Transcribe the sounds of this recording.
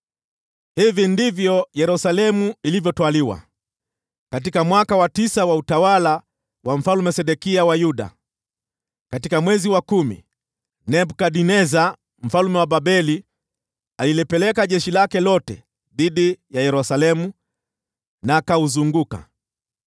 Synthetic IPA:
hivindivjɔjɛɾusalɛmuilivjɔtwaliwa̰ | kat̬ikamwakawatisawautawala | wam̩falumɛsɛɗɛkiawajuɗa̰ | katikamwɛziwakumḭ | nɛbkaɗinɛza | m̩falumɛwaɓabɛli | alilɛpɛlɛkaʄɛʃilakɛlɔtɛ̰ | ðiɗijajɛɾusalɛmu | naːkauzuŋɡuka̰

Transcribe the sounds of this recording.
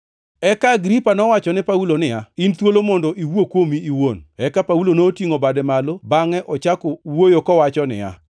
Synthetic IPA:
ɛkaːɡɾipanɔwat͡ʃɔnɛpaulonɪjaint̪wolomɔndɔʔiwokwomiiwonɛkapaulonoːtiŋobadɛmalobaŋɛʔɔt͡ʃakɔwojokɔwat͡ʃɔnɪ̰ja̰

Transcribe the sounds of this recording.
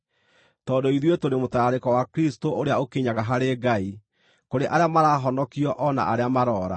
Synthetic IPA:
tɔdoiðiwetoɾemotaɾaɾekɔwakɾistoʔoɾeaokeɲaɣaɦaɾeɡai | koɾeʔaɾeamaɾaːɦɔnɔkiɔʔɔna̰ʔaɾeamaɾɔːɾa̰

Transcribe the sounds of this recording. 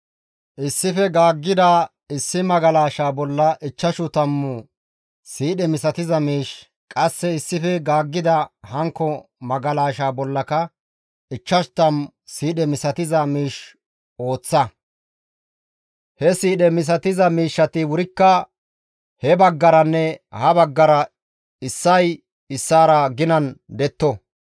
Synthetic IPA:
ʔɪsːɪfɛɡaːɡːɪd̪ɐ | ɪsːɪmɐɡɐlaːʃaːbɔlːɐʔɪt͡ʃːɐʃʊt̪ɐmːʊ | siːɗɛmɪsɐt̪ɪzɐmiːʃ | kʼɐsːɛɪsːɪfɛɡaːɡːɪd̪ɐhɐŋkːɔmɐɡɐlaːʃaːbɔlːɐkɐ | ɪt͡ʃːɐʃt̪ɐm | siːɗɛmɪsɐt̪ɪzɐmiːʃ | o̞ːt͡sːɐ | hɛsiːɗɛmɪs̬ɐt̪ɪzɐmiːʃːɐt̪ɪwʊɾɪkːɐ | hɛbɐɡːɐɾɐnːɛhɐbɐɡːɐɾɐ | ɪsːɐj | ɪsːaːɾɐɡɪnɐnd̪ɛt̪ːɔ

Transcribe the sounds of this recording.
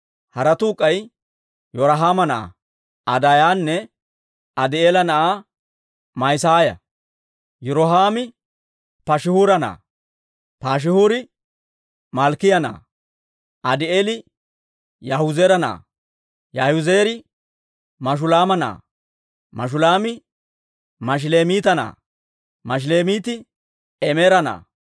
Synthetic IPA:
hɐɾɐt̪uːkʼːɐj | jɔɾɐɦaːmɐnɐʔa̰ | ɐd̪ajaːnːɛ | ɐd̪ɪeːlɐnɐʔa | mɐjsaːjɐ̰ | jʊɾɔɦaːmɪ | pɐʃɪhuːɾɐnɐ̰ː | paːʃ̬ɪhuɾɪ | mɐlkɪjɐna̰ː | ʔɐd̪ɪeːlɪ | jɐhʊzeɾɐna̰ː | jɐhʊzeːɾɪ | mɐʃ̬ʊlaːmɐna̰ː | mɐ̰ʃ̬ʊlaːmɪ | mɐʃ̬le̞ːmiːt̪ɐna̰ː | mɐʃ̬le̞ːmiːt̪ɪ | ɛmeːɾɐna̰ː

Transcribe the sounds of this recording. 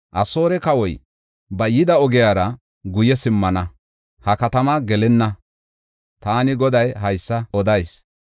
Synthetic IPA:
ʔɐso̞ːɾɛkɐwɔj | bɐjɪd̪ɐɔɡɪjaːɾɐ | ɡʊjɛsɪmːɐnɐ | hɐkɐt̪ɐmɐɡɛlɛnːɐ | t̪aːnɪɡɔd̪ɐjɦɐjsːɐɔd̪ɐjs

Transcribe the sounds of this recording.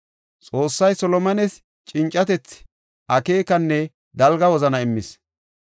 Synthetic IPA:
t͡sʼo̞ːsːɐjsɔlɔmɐnɛs | t͡ʃʼɪnt͡ʃʼːɐt̪ɛt͡sː | ʔɐkeːkɐnːɛ | d̪ɐlɡɐwɔzɐnɐɪmːɪs

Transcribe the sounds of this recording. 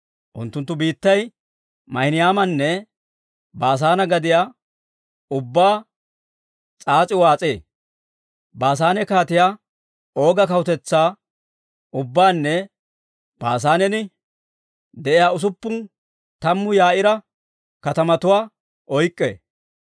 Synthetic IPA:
ʔʊ̰nt̪ːʊnt̪ːʊbiːt̪ːɐj | mɐhɪnɪjaːmɐnːɛ | baːs̬aːnɐɡɐd̪ɪjaː | ʊbːaː | t͡sʼaːt͡sʼɪwaːt͡sʼḛː | baːs̬aːnɛkaːt̪ɪjaː | o̞ːɡɐkɐwʊt̪ɛt͡sːaː | ʊbːaːnːɛ | b̥aːs̬aːnɛnɪ | d̪ɛʔɪjaːʊs̬ʊpːʊn | t̪ɐmːʊjaːʔɪɾɐ | kɐt̪ɐmɐt̪ʊwaː | ʔɔjkʼːḛː

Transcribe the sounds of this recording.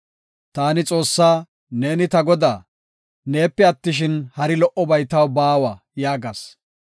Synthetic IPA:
t̪aːnɪt͡sʼo̞ːsːaː | ne̞ːnɪt̪ɐɡɔd̪aː | ne̞ːpːɛɐt̪ːɪʃ̬ɪnhɐɾɪlɔʔɔbɐjt̪ɐwbaːwaː | jaːɡɐːs

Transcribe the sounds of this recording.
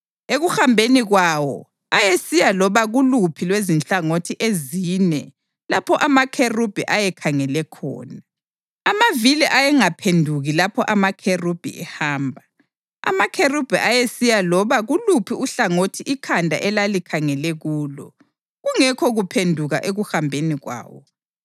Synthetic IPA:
eɣuxambʱeniɣwaːwɔ̰ | ajesijalɔβaɣulupʰilwezint͡ɬaŋotʰiʔeziːnɛ | lapʰɔʔamakʰerub̥ʱiʔajɛkʰaŋɛlɛkʰɔ̰ːnaː | maviliʔajɛŋapʰendʱuɣilapʰɔʔamakʰerub̥ʱḭʔɛhaːmbʱa | a̰makʰerub̥ʱiʔajesijalɔβaɣulupʰiuɬaŋotʰiʔikʰandʱa̰ʔɛlalikʰaŋɛlɛɣuːlɔ̰ | ɣuŋɛkʰɔɣupʰendʱuɣaʔeɣuhambʱeniɣwa̰ːwɔ̰

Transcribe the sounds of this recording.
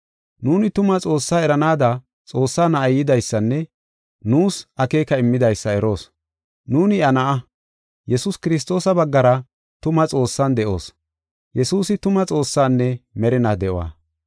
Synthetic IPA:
nuːnɪt̪ʊmɐt͡sʼo̞ːsːaːɛɾɐnaːd̪ɐ | t͡sʼo̞ːsːaːnɐʔɐjɪd̪ɐjsːɐnːɛ | nuːsɐke̞ːkɐɪmːɪd̪ɐjsːɐɛɾo̞ːs | nuːnɪɐnɐʔɐ | jɛsʊskɪɾɪs̬t̪o̞ːsɐbɐɡːɐɾɐ | t̪ʊmɐt͡sʼo̞ːsːɐnd̪ɛʔo̞̰ːs | jɛsuːsɪt̪ʊmɐt͡sʼo̞ːsːaːnːɛmɛɾɪnaːd̪ɛʔwa̰ː

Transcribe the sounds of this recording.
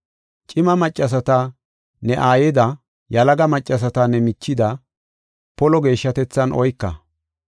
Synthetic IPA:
t͡ʃʼɪmɐmɐt͡ʃʼːɐs̬ɐt̪ɐ | nɛʔaːjɛd̪ɐ | jɐlɐɡɐmɐt͡ʃʼːɐs̬ɐt̪ɐnɛmɪt͡ʃːɪd̪ɐ | pɔlɔɡe̞ːʃːɐt̪ɛt͡sːɐnʔɔjkːɐ̰

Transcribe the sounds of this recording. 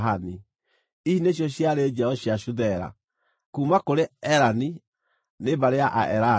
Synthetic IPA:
ɦani | iineɕ̬jɔɕjaɾed͡ʑɛɔɕjaʃuðɛɾa̰ | kuːmakoɾeɛɾani | nebaɾeaʔaʔɛɾa

